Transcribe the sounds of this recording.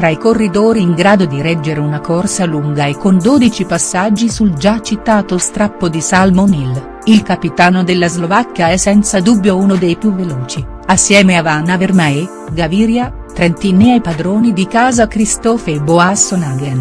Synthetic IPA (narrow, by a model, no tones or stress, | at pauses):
t̪ɾaikorːid̪oːɾiːŋɡɾaːd̪od̪iɾɛd͡ʒːeɾeunakorsaluŋɡaekːond̪oːd̪it͡ʃipasːad͡ʒːisuld͡ʒat͡ʃːit̪aːt̪ost̪ɾapːod̪isalmonil | ilkapit̪aːnod̪elːazlovakːjaɛsːɛnt̪sad̪ubːjounod̪ejpjuvːeloːt͡ʃi | asːjɛːmeavanavermae | ɡaviːɾja | t̪ɾɛnt̪inːeajpad̪ɾoːnid̪ikaːzakɾist̪ɔːfeboasonaɡɛn